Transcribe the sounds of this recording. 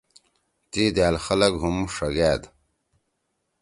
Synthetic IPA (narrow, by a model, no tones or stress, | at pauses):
t̪iːd̪æːlxɐlɐɡɦumʂɐɡæːd̪